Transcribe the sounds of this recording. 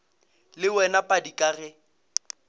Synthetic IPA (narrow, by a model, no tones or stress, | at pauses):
lɪwɛnapʼadikʼaɣɛ